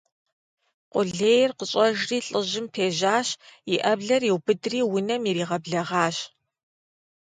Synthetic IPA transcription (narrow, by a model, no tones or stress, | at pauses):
qʷʼʊɮeːjrqəɕʼɐʒriːɬʼɨʑɪmpʰeːʑaːɕjiʔɐbɮɐriwbɨdriːwʊnɐmiɾiːʁɐbɮɐʁɑːɕ